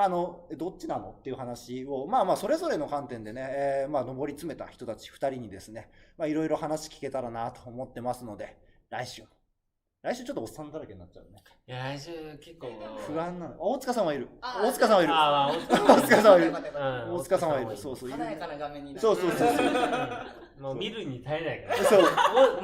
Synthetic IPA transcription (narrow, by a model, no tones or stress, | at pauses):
ano̞d̪o̞t͡ɕt͡ɕːinano̞̰t̪ːe̞iɯ̟hanaɕio̞maːmaːso̞ɾe̞zo̞ɾe̞no̞kãnt̪ẽ̞nd̪e̞ne̞ːmaːno̞bo̞ɾʲit͡sɨme̞t̪a̰çʲi̥t̪o̞t̪at͡ɕi̥ɸɯ̥t̪aɾʲiɲ̟id̪e̞sɨne̞maiɾo̞iɾo̞hanaɕi̥kʲi̥ke̞t̪aɾanat̪o̞̥ːmot̪ːe̞masɨno̞d̪e̞ | ɾaiɕɨː | ɾaiɕɨːt͡ɕo̞t̪ːoːsːãnd̪aɾake̞ɲinat͡ɕa̰ɯne̞ | kekːoɸɯ̟ãnːanoaoːt͡sɨkasãɰ̃βaiɾɯ̟oːt͡sɨ̥kasãaiɾɯ̟ | ot͡sɨkasãaiɾɯoːt͡sɨ̥kasãβaiɾɯ̟so̞ːsoːiɾaɡmẽɲso̞ːso̞ːsoːs | omiɾɯɲ̟it̪aenajkasoː